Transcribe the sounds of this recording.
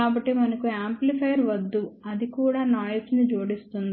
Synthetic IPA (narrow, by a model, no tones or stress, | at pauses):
aːbɐʈːimɐnɐkuaːmplipʰɐjɐɾʋɐd̪ːuɐd̪ikuːɽaːnaːjɐsnid͡ʒoːɽist̪und̪i